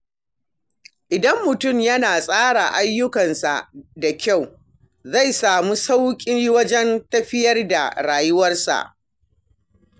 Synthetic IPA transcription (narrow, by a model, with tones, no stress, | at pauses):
ʔɪ˨dɐ˦mːʊ˨tʊ˦˨mjɐ˦naː˨sʼaː˦ɽa˨ʔa˦jːʊ˦kɐ˨nsa̰˨ʔda˨kʲa˦˨w | za˦˨jsaː˨mu˦sa˦wkʲʼi˦wɐ˦d͡ʒɛ˦ntɐ˦ɸɪ˦jɐ˦rda̰˨ɽaː˨jʊ˦wɐ˦rsa̰˨ʔ